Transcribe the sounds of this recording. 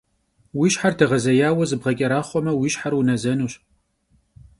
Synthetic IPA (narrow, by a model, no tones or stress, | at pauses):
wiːʃħartʰɐʁɐzɐjaːwɐzɨbʁɐkʲʼɐɾaːχʷɔmɐwiːʃħarwunɐzɐnuːɕ